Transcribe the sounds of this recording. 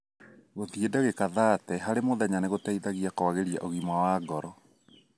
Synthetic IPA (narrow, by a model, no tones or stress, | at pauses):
ɣoðiedaɣekaðaːtɛɦaɾemoðaɲaneɣotaiðaɣiakɔaɣeɾiaʔoɣimwawaːɡɔɾɔ